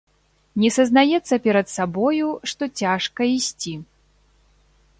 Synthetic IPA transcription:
nʲɛsɐznajɛt̪sːɐpʲɛɾɐt̪sabɔjuʂt̪ɔt͡sʲaʂkɐisʲt͡sʲi

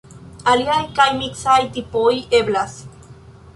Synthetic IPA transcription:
aljajkajmiksajt̪ipojʔeβlas

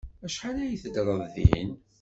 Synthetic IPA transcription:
æʃħalæjiθəd̪ɾˤəððḭə̰n

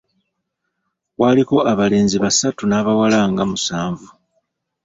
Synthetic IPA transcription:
waliko̞aβale̞ːnziβasatunaːβawalaŋɡamusaːɱvu

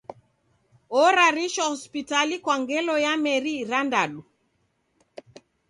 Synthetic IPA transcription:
ɔɾaɾiʃɔhɔspitalikwaŋɡɛlɔjamɛɾiɾandaɗu

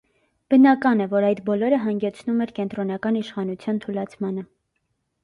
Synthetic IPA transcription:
b̥ənɑkɑnɛvɔɾɑjd̪bɔlɔɾəɦɑŋɡɛt͡sʰnumɛɾkɛnt̪ɾɔnɑkɑniʃχɑnut͡sʰjɑnt̪ʰulɑt͡sʰmɑnə

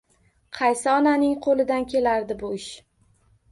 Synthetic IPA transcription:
qʰɑjsɪɒnanɪŋqʰolˠɪd̪ankʲʰe̞laɾd̪ɪbʊɪʃ

